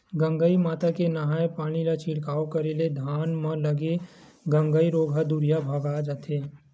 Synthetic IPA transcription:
ɡə̃ŋɡəimaːt̪akenəɦaːepaːɽ̃ilat͡ʃʰɪɽkaːokəɾeled̪ʱaːnmə̃ləɡe | ɡə̃ŋɡəiɾoːɡʱad̪uɾijabʱəɡad͡ʒat̪ʰeː

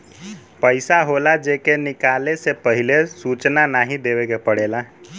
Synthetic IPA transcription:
pəɪsaɦolad͡ʒekenɪkaːlesepəɦilesut͡ʃnanaːɦĩd̪ewekepəɽeːla

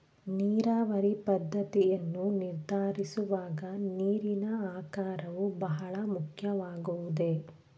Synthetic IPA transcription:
niːɾaːʋɐɾipɐd̪ʱːɐt̪ijɐnːuniɾd̪ʱaːɾisuʋaːɡɐniːɾinɐaːkaːɾɐʋubɐɦɐɭɐmukʰjɐʋaːɡuʋud̪e̞

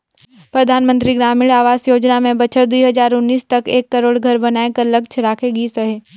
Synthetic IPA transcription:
pɾɐd̪ʱaːnmə̃nt̪ɾiɡɾaːmiːɽaːʋaːsjoːd͡ʒnamẽbɐt͡ʃʰəɾd̪uiɦɐd͡ʒaːɾʊnːiːst̪ɐkeːkːɐɾoːɽɡʱɐɾbɐnaːekɐɾlɐɡt͡ʃʰɾaːkʰeɡisɐɦeː

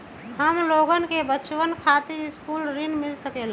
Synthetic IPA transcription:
həmloːɡənkebət͡ʃwənkʰaːt̪iɪskuːlɾɪnmɪlsəkeːla

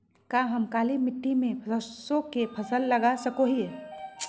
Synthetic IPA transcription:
kaɦəmkaːlimɪʈːimẽpʰəsõkepʰəsəlːəɡasəkoɦiɛ

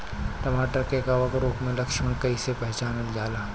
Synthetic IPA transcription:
ʈ̪ɐmaːʈəkeɡaʋəɡɾoːkmẽlɐkʃmẽkɐisepɛɦt͡ʃaːnəljaːlaː

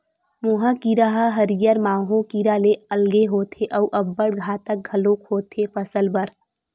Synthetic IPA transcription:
muɦəkiɾaɦəɦəɾijəɾmaːɦõkiɾaleəlɡeɦot̪ʰeʔəuʔəbːəɽɡʱat̪ək̚ɡʱəlokɦot̪ʰepəsəlbəɾ

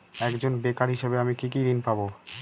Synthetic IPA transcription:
ɛkd͡ʑonbekaɾɦiʃebeamikikid̪inpabo

